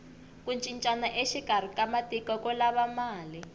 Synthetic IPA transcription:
kunt͡ʃʼint͡ʃʼanaʔeʃikar̤ikamatikɔkɔlaβamaːli

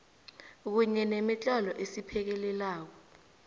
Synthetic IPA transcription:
k̬uɲɛnemit͡ɬʼɔlɔʔesipʰɛk̬ɛlɛlaːk̬ɔ

